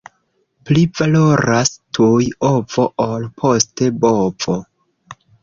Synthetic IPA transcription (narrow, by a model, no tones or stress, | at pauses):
plivaloɾastʰujovo̞ʔolpʰo̞ste̞bov̥o